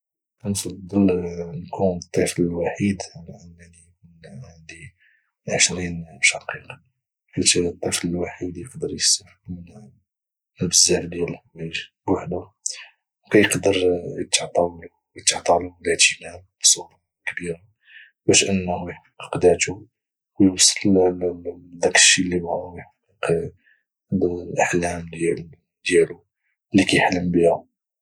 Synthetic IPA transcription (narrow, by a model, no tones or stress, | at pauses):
ʔənsɑd̪əlnkʰunət̪ˤːifləlwaħid̪ʕalæʔənːænikunʕʕand̪i | ʕəʃɾinʃɑqiq | kət̪it̪ˤːifləlwaħid̪jəqd̪əɾjəst̪afbmən | əbəzald̪jælwæʒbwaħd̪u | wkæjəqd̪əɾjət̪ʕt̪ˤɑw | ət̪ʕt̪ˤɑlumlæt̪inabsˤut̪ˤɑ | kbiɾa | bæʃʔənːhħfiqqd̪æt̪u | wjwɑsˤːəll | d̪ækə̥ʃːilːibaʕuwjħfiq | llʔaħlæml | d̪jælu | lːikæjħləmbihæ